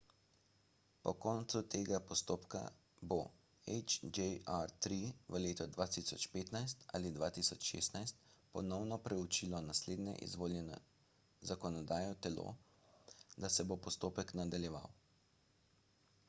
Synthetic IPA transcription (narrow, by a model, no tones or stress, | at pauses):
pɔkɔːnt̪sut̪eːɡapɔst̪oːpka̰ | bo | ɛt͡ʃd͡ʒɛaɾt̪ɾiʋəleːt̪ɔd̪ʋaːt̪isɔt͡ʃpeːt̪najst̪a̰lid̪ʋat̪isɔt͡ʃʃḛst̪najst̪pɔnɔwnɔpɾɛut͡ʃilɔnasleːd̪nɛ̰ʔḭzʋoːljɛnɔ̰ | zakɔnɔd̪aːjɔt̪ɛlo̰ | d̪asɛbopɔst̪oːpɛknad̪aljɛʋa̰w